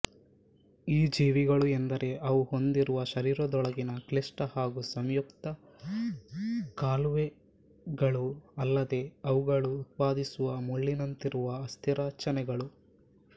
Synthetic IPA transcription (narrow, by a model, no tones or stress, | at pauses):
iːd͡ʒiːʋiɡɐɭuend̪ɐɾe̞ʔɐʋuho̞nd̪iɾuʋɐʃɐɾiːɾɐd̪ɔɭɐɡinɐklesʈɐhaːɡusɐmjukt̪ɐ | kaːluʋe | ɡɐɭuɐlːɐd̪e̞ɐʋuɡɐɭuːt̪̚paːd̪isuʋɐmuɭːinɐnt̪iɾuʋɐːst̪ʰiɾaːt͡ʃɐnɛɡɐɭu